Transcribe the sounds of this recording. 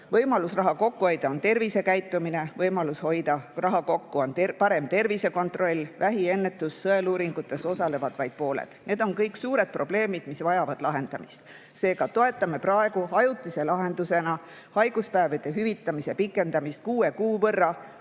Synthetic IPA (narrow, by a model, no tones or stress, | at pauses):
vɤjmɑlusrɑɦɑko̞kːuo̞jd̪̥ɑo̞nt̪e̞rvise̞kæjt̪ːˑumine̞vɤjmɑlusho̞jd̪̥ɑrɑɦɑko̞kːuo̞nt̪pɑɾe̞mt̪e̞rvise̞ko̞nt̪ˑro̞lʲːvæɦie̞nːe̞t̪ːˑusːɤe̞luːɾiŋɡ̥ut̪ːˑe̞so̞sɑle̞vɑd̪̥vɑjd̪̥̚po̞ːlḛd̪̥ne̞ːd̪̥o̞nkɤjksuːɾe̞d̪̚pro̞ble̞ːmid̪̥misvɑjɑvɑd̪̥lɑɦe̞nd̪̥ɑmist̪ | se̞ːɡ̥ɑt̪o̞e̞t̪ːˑɑme̞prɑe̞ɡ̥uɑjut̪ːˑise̞lɑɦe̞nd̪̥use̞nɑ | hɑjɡ̥uspæeved̪̥e̞ɦyvit̪ːˑɑmise̞pikːˑe̞nd̪ɑmist̪̚kuːe̞kuːvɤrːɑ